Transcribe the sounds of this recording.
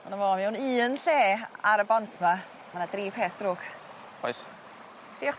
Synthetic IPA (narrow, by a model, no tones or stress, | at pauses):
manavɔːmiunɨːənɬeːaɾəbɔntʰma | manadriːpʰeːθd̥rʊːk | pʰɔ̰js | d̥eːχ